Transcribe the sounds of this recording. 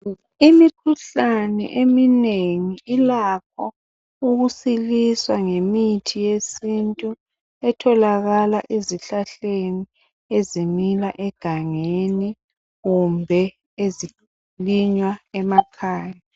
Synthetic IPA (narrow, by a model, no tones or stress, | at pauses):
imikʰuɬanɛ̰ʔemineŋiilak̚ʰɔ | uɣusiliswaŋemitʰijesintʼu | ɛtʰɔlaɣalaʔeziɬaɬeni | ezimilaʔɛɡ̥ʱaŋeni | ɣumbʱɛ | ezi | liɲwaɛmakʰaːja